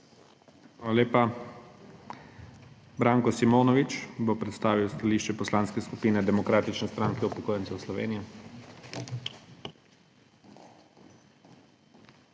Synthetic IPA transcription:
xaaleːpa | bɾaːŋkɔsimoːnɔʋit͡ʃbopɾɛt̪st̪aːʋiwst̪aliːʃt͡ʃɛpɔslaːnskɛskupiːnɛd̪ɛmɔkɾaːt̪it͡ʃnɛst̪ɾaːŋkɛupɔkoːjɛnsɛwslɔʋḛːnijɔ

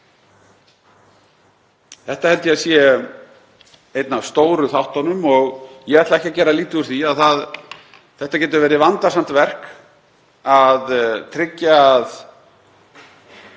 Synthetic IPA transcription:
θɛht̪ahɛlt̪jasjɛ | ejt̪navst̪oːwɾʏθawht̪anʏmɔɣjɛɣat̪laɛhcɪacɛːɾaliːt̪ɪuɾ̥θiaðθað | θɛht̪acɛːt̪̬ʏɾvɛːɾɪvant̪asam̥t̪vɛr̥k | aðt̪ʰɾɪcːað

